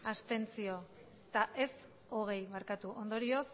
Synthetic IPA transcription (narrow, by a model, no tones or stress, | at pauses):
ast̪e̞nt͡sio̞ | t̪aʔe̞s | o̞ɣ̞e̞jβaɾkat̪uʔo̞nd̪o̞ɾio̞s